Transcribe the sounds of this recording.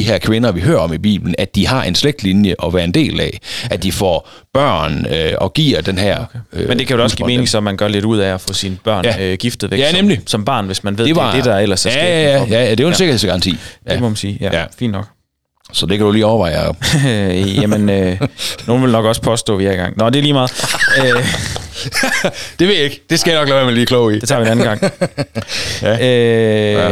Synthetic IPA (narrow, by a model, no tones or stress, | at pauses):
iɦæɐ̰kʰʋe̝nɐʋiɦøɐɒ̽mib̥ḭːb̥ln̩æd̥ihɑ̈ʔe̝nsleɡ̥̚d̥linjəʔɒ̽ʋæːɐe̝nd̥e̝̰ːlɛæd̥ifɒ̰ | b̥ɶɐ̰nøɒ̽ɡ̥ḭɐ̰d̥enɦæɐ̰ømend̥e̝kʰæjo̥ɒsɡ̥ḭme̝ːneŋsɒmænɡ̥ɶɐle̝dɾuð̰ˠæɒfɔ̽sinb̥ɶɐ̰njæɡ̥ifd̥ð̩ˠʋeɡjænemlisɒ̽mb̥ɑ̰̈ːnʋe̝smænʋe̝ðe̝ʋɑde̝d̥ɑɐel̰ɐsææ̥æjææd̥e̝joense̝ɡɐesɡ̥ɑ̈ɑnt͡sʰḭːdemɔ̽mænsiːjæfḭnd̥nɒ̽ɡ̥ | sɒd̥e̝kʰæd̥uliːɒʊɐʋɑ̈ɪ̰ | jæmənønoːn̩ʋe̝lnɒ̽ɡ̥ɒ̽spʰɒ̽sd̥ɔ̰ːʋiɐɡ̥ɑ̈ŋnɒd̥e̝ɐliːmɑ̈ːð̩ˠø | d̥e̝ʋe̝jeɡ̥d̥e̝sɡ̥æjanɒ̽ɡ̥lɛʊʋæɐmenliːkʰlɔʊide̝t͡sʰɑʋienænn̩ɡɑ̈ŋ̰ | ø